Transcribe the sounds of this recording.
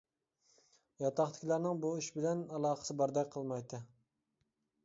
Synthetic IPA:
jɑt̪ʰɑχt̪ʰɪ̥kʲlˠɑɾnɪŋbuyʃbɪlɛnɑlˠɑːχə̥sɨbɑɾd̪ɑjʲqʰəlˠmɑjt̪ʰɨ

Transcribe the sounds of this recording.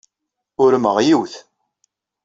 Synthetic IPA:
ʊɾməʁjiwθ

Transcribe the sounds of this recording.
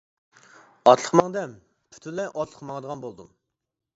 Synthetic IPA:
ɑt̪ʰlˠəqmɑŋd̪ɛm | pʰy̥t̪ʰynlɛʔɑt̪ʰlˠəqmɑŋd̪əʁɑnbolˠd̪ṵm

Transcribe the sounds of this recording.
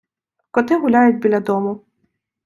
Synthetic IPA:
kɔt̪ɪɦʊlʲajʊt̚ʲbʲilʲɐd̪ɔmʊ

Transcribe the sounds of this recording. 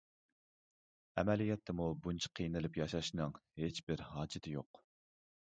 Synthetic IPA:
ɛmɛlijɛt̪ʰːɛmubunt͡ʃʰɑ̥qʰijnɪlɪpjɑʃɑʃnɨŋhet͡ʃbɪɾɦɑːd͡ʒɪt̪ʰɪjo̰q

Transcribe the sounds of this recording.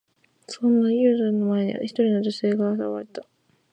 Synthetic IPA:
sõ̞nːajɯ̟ːzaɯnːomaeɲ̟iβa̰çi̥t̪o̞ɾʲino̞d͡ʑo̞se̞ːɡaːsaoβa̰ɾʲit̪ḁ

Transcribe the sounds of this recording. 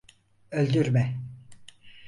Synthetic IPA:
ølʲd̪yɾmɛ

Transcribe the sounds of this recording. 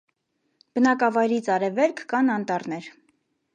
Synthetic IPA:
b̥ənɑkɑvɑjɾit͡sʰɑɾɛvɛɾkʰkɑnɑnt̪ɑɾnɛɾ

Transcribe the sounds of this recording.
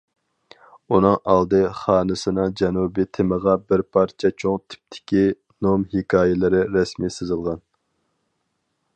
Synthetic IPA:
unɨŋɑlˠd̪ɨχɑːnɨsɨnɨŋd͡ʒɛnubit̪ʰɪməʁɑbɪɾpʰɑɾt͡ʃʰɛt͡ʃʰoŋt̪ʰɪ̥p̚t̪ʰɪ̥kʲi | nomhikʰɑːjɪlˠɪɾɪɾɛsmisɨzɨlˠʁɑn

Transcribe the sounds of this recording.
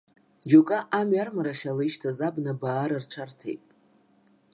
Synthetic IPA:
d͡ʒokʼaʔamɥarmaɾaχʲalɨʃtʰazabnabaːɾart͡ʃʷʰartʰḛjtʼ

